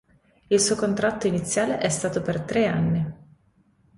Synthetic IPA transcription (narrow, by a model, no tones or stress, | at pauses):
ilsuːokont̪ɾat̪ːoinit̪sːjaːleʔɛst̪aːt̪opert̪ɾeanːi